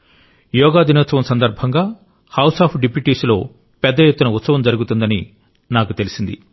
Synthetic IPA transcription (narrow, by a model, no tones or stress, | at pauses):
jɔːɡaːd̪ʱinɔt̪sɐʋɐmsɐnd̪ɐɾbʱɐŋɡaː | hɐwsaːpʰɖipjuʈiːslo̞ː | pɛd̪ːɐjet̪ːunɐut̪sɐʋɐmd͡ʒɐɾuɡut̪und̪ɐni | naːkut̪e̞lisind̪i